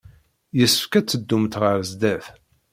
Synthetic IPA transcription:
jəsːəfkæt͡sːəd̪ːumt̪ʁəɾzd̪æθ

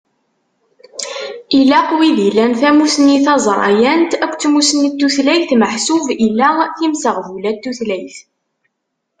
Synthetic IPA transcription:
ilːæqwiðilːænθæmusəniθɑzˤɾˤɑ̰jænt̪ækʷːt͡sːmusənit̪ːuθlæjθməħsuvilːæθimsəʁvulæt̪ːuθlæjθ

